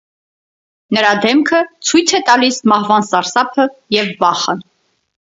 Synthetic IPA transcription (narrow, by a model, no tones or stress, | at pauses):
nəɾɑd̪ɛmkʰət͡sʰujt͡sʰɛt̪ɑlismɑhvɑnsɑɾsɑpʰəjɛvbɑχən